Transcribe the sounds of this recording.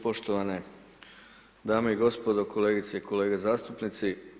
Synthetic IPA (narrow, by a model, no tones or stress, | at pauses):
po̞ʃt̪oʋane | d̪aːmoiɡo̞spod̪okʰo̞leːɡit̪seikʰo̞le̞ːɡezaːst̪upnit̪si